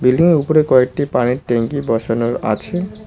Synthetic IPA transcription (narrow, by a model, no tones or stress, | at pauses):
bilɖiŋeupoɾekɔek̚ʈipaniɾʈeŋkibɔʃʰonoɾa̰t͡ɕʰe